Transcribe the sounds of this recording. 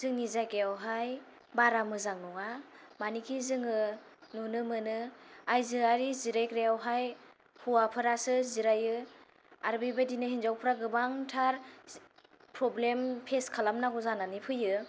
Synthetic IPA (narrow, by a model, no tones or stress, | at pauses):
zɯŋnizaɡeawɦaj | baɾamɯzaŋnɔŋa | manikʰizɯŋɯnunɯmɯnɯajzɯaɾiziɾakɾeawɦaj | huwapʰɯɾasɯziɾajɯ | aɾbibadinɯhinzawpʰɯɾaɡɯbaŋtʰaɾ | pɾɔblempʰeskʰalamnaɡuzananipʰɯjɯ